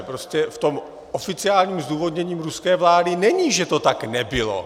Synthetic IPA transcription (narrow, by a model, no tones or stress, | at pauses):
pɾoscɛft̪o̞m | ʔofɪt͡sɪaːlɲiːmzd̪uːvo̞d̪ɲɛɲiːmɾuskɛːvlaːdɪnɛɲiʒɛt̪o̞t̪aknɛbɪlo̰